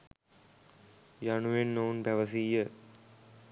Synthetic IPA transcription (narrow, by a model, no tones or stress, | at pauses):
jaɳuʋenːoːnpæʋɐsijə